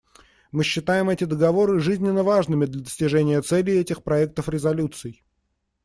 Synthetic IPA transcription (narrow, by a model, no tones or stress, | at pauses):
mɨɕːɪt̪ajɪmɛtʲɪd̪əɡɐvo̞ɾɨʐɨzʲnʲɪnːəvaʐnɨmʲɪd̪lʲəd̪əsʲtʲɪʐɛnʲɪjət̪sɛlʲɪɛtʲɪxpɾɐɛk̚t̪əfɾʲɪzɐlʲut̪sɨj